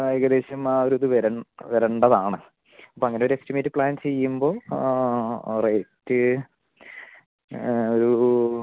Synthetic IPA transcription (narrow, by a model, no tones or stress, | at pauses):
ajɡɐd̪eːɕɐmaːoɾuðuʋeɾɐɳʋeɾɐɳɖɐðaːɳɨ | ɐpːoːɐŋːɐneo̞ɾuekstimeːtːɨpɭaːnt͡ɕe̞jːumbo̞ː | reːtːɨ | oɾu